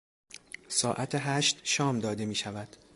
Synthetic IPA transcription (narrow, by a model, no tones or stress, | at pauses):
sɒːʔæt̪ʰeɦæːʃt̪ʃɒːmd̪ɒːd̪e̞miːʃævæd̪̥